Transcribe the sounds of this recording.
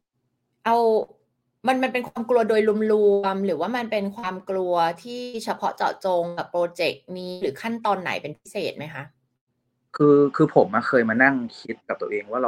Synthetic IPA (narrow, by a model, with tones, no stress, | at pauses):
ʔa˧w | ma˧nma˧npe˧nkʰwaː˧mklu˧ɐdoː˧jlu˧mlu˧mɾɯː˩˦waː˥˩ma˧npe˧nkʰwaː˧mklu˧ɐt̪ʰiː˥˩t͡ɕʰa˧pʰɔ˦˥t͡ɕɔ̰ː˨˩t͡ɕoː˧ŋka˨˩pːɾoː˧t͡ɕe˨˩k̚niː˦˧ɾɯː˩˦kʰa˥˩nt̪ɔː˧nːa̰˩˦jpe˧npʰi˦˥seː˨˩t̪̚ma˦˥jkʰa˦˥ʔ | kʰɯː˧kʰɯː˧pʰo˩˦mːaː˧kʰɤː˧jmaː˧na˥˩ŋkʰi˦˥t̪̚ka˨˩p̚t̪ːəʔeː˧ŋwaː˥˩ɾa˧